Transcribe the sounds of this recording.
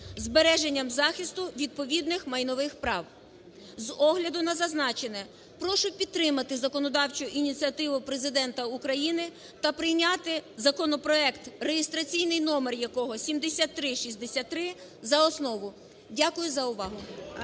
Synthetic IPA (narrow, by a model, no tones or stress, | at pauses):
zbeɾɛʒenʲːɐmzɑxʲist̪ʊʋʲid̪̚pɔʋʲid̪nɪxmɐjnɔʋɪxpɾɑw | zɔɦlʲɐd̪ʊnɐzɐznɑt͡ʃenɛ | pɾɔʃʊpʲidt̪ːɾɪmɐt̪ɪzɐkɔnɔd̪ɑwt͡ʃʊʔinʲit͡sʲiɐt̪ɪʋʊpɾezɪd̪ɛnt̪ɐukɾɐjinɪ | t̪ɐpɾɪjnʲat̪ɪzɐkɔnɔpɾɔɛkt̪rejest̪ɾɐt͡sʲijnɪjnɔmɛrjɐkɔɦɔsʲimd̪esʲat̪ːɾɪʃisʲd̪esʲatt̪ːɾɪ | zɐɔsnɔʋʊ | dʲakʊjʊzɐʊʋɑɦʊ